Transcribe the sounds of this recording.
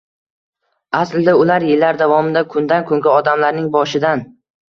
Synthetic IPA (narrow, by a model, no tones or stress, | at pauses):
aslɪd̪aʊlaɾjɪlːaɾd̪avɒmɪd̪akʰʊnd̪ankʰʊŋɡʲaɒd̪amlaɾnɪŋbɒʃɪd̪an